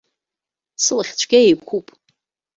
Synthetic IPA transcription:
sɨlaχʲt͡ɕʷʰɡʲeejkʷʰupʼ

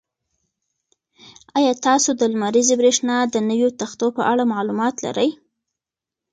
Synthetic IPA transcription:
ɑjɑt̪ɑsod̪əlmaɾizebɾeʂnɑd̪ənəwjot̪axt̪opəʔaɽamɑlumɑt̪la̰ɾəj

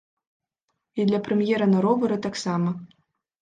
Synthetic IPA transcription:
id̪ʲlʲaprʲemʲjeɾanɤ̆ɾovɤ̆ɾɤ̆t̪ɑksɑmɤ̆

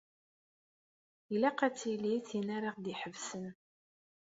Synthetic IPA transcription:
jlæqæt͡sːiliθinaɾɑʁd̪iħəvsən

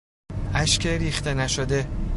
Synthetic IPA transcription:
ʔæʃcʰeɾiːxt̪enæʃod̪e

